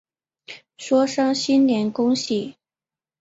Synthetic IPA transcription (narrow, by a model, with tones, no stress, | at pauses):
ʂwɔ˥ʂɤ˥ŋɕi˥nljɛ˧˥nkʊ˥ŋɕi˥˩